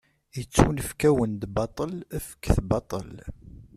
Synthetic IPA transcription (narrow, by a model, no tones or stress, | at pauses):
jət͡sːunəfkæwənd̪bɑt̪ˤəlæfə̥kːθbɑt̪ˤə̰l